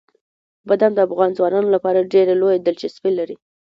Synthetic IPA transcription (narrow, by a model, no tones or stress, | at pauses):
bad̪amd̪əafɣɑnzwɑnɑnolapɑɾaɖeɾelojed̪ɪlt͡ʃɪspelaɾi